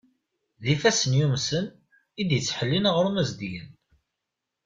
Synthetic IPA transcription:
ðifæsənjumsən | id̪jət͡sːħəlːinəʁɾmæzd̪jən

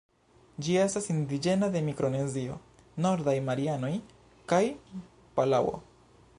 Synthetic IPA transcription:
d͡ʒie̞stasind̪id͡ʒe̞nade̞mikɾo̞nezio̞̰ | no̞ɾdajmaɾiano̞j | kaj | palawo̰

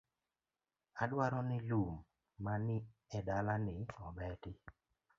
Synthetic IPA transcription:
adwaɾɔnɪlumː | anɪɛdalanɪɔbɛtɪ

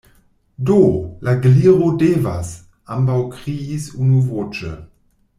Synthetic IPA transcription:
dolʔaɡliːʁodeːva̰s | ambawkʁiisunuvot͡ʃə̰

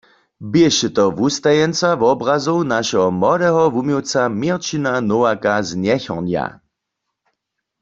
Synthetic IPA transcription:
bjɛʃɛt̪ɔʋust̪ajɛnt͡savɔbʁazownaʃɛɦɔmɔɾɛɦɔvumiwt͡samiʁt͡ʃinanowakaznjɛçɔʁnja̰

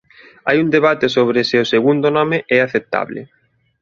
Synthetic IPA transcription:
a̰jund̪eβ̞at̪ɪsoβ̞ɾɪsɪʊseɣund̪ʊnɔmɪʔɛaθep̚t̪a̰βlɪ̰

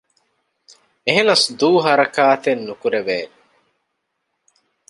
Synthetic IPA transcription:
eɦenɐsd̪uːɦɐɾɐkaːt̪enːukuɾeʋeːn

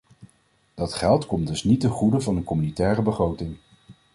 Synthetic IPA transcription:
d̥ɑtχɛlˠtkɔmdɵsnitəχudəvɑnənkɔmynitɛːrəbəχrowtɪŋ

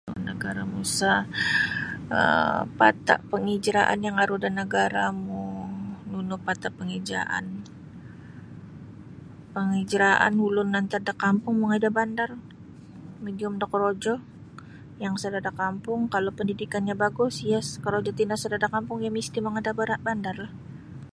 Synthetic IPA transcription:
nəɡaɾamusa | ə̰pa̰t̪a̰ʔpəŋid͡ʒɾaʔa̰njaŋaɾudanəɡaɾamununʊpat̪apəŋid͡ʒɾa̰ʔa̰n | pəŋid͡ʒɾaʔa̰nhulʊnːant̪ardakampʊŋmoŋadabandar | mediʊmdakəɾod͡ʒɔ | jaŋsədadakampʊŋkalopəndidikanɲabaɡʊsjaskəɾod͡ʒɔt̪inasədadakampʊŋjamist̪imoŋadabaɾabandarlah

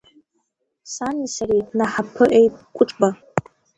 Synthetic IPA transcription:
sanisaretʼnaħapʰɨʔejtʼkʷʼʊʈ͡ʂʼba

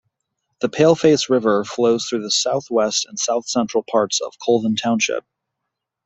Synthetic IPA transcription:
ðɨpʰeɪlˠfeɪsɹɪvə˞floʊz̥θɹʉðɨsaʊθwɛstɨ̃nsaʊθsɛ̃nt͡ʃɹ̥l̩ˠpʰɑɹtsʌ̰v̥kʰoʊlˠðn̩tʰãʊ̃nʃɪ̰p̚

